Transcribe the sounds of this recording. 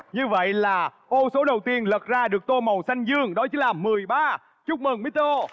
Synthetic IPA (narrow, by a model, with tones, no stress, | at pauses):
ɲɨ˧və̰˧˨jlaː˨˩ | ʔo˧so˨˦ɗə˨˩wt̪i˧ənlə˨˩t̚zaː˧ɗɨ˨˩ək̚t̪o˧mə˨˩wsa˧jŋ̟zɨ˧əŋɗɔ˨˦t͡ɕi˨˦ŋlaː˨˩mɨ˨˩əjɓaː˧ | t͡ɕʊ˦˥k͡p̚məː˨˩nmi˨˦˥t̪o˧